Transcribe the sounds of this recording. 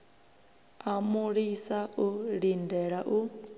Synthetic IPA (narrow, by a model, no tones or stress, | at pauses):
amuɺisaʔuɺindɛɺaʔu